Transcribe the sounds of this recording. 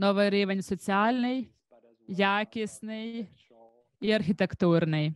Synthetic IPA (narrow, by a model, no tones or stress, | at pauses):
nɔʋɐɾɪʋɛnʲsɔt͡sʲɪalʲnɨj | jakʲɪsnɨj | iɐɾxʲɪt̪ɛkt̪uɾnɪj